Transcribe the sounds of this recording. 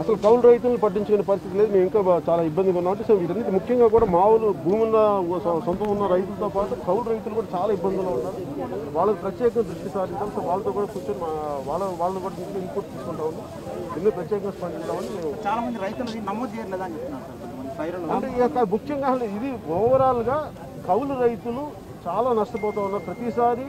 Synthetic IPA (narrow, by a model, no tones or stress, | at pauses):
ɐsɐlukɐwlɾɐjt̪̬ulnipɐʈ̬ːiɲt͡ʃɐkoneːpɐɾist̪it̪ileːd̪umeːmiŋkaːt͡ʃaːlaːibːɐnd̪ikunːaːʋɐɳʈesɐʋiːʈɐnːit̪ːimukʰːjɐŋɡaːkuːɽaːmaːwulubʱuːmunːɐsɔnt̪ɐunːɐɾɐjt̪ulɐt̪oːpaːʈukɐwlɾɐjt̪ulukuːɽaːt͡ʃaːlaːibːɐnd̪ʱuloːunːaːɾu | ʋaːɭːɐkipɾɐt̪jɛːkɐŋɡɐd̪ɾuʂʈisaːɾiɲt͡ʃaːluɐsɐlʋaːɭːɐt̪oːkuːɽaːkuːt͡ʃoːnimaʋaːɭːɐʋaːɭɐoːkuːɽaːmueimpoːʈ̚t͡ʃ̪iːsu̥kuɳʈaːʋunːi | d̪inːiːpɾɐt̪jɛːkɐŋɡaːspɐnd̪int̪aːmɐnimeːmut͡ʃaːlaːmɐnd̪iɾɐjt̪ulɐd̪iːnnɐmoːd̪d͡ʒejaɾleːd̪aɲd͡ʒept̪ːuna | pɐjɾɐɐɳʈekabukʃɐŋɡaːɦɐleid̪iʋɔːʋɐɾaːluɡaː | kʰɐwluɾɐjt̪ulu | t͡ʃaːlaːnɐʂʈɐp̬ɔːt̪aːwunːaːɾupɾɐt̪isaːɾi